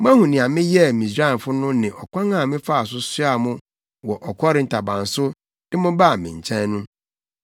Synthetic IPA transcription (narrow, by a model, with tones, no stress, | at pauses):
m˦ã˦hũ˨nɪ̃˨a˨mɪ̃˦jɛ˦˨mĩ˨s̬ɾa˦ɛ˨n˨fʊ˦nʊ̃˦nɪ̃˨ʔɔ˨kʷʰã˦ŋã˨mɪ̃˦fa˦˨s̬ʊ˦sʊ˦a˨mʊ̃˦ | wɔ˨ʔɔ˨kʰɔ˦ɾɪ˨˦n̩˨tʰa˨bã˨n˨sʊ˦ | dɪ̃˦mʊ̃˦ba˦˨mɪ̃˨ɲ˨t͡ɕʰɛ̃˦nũ˦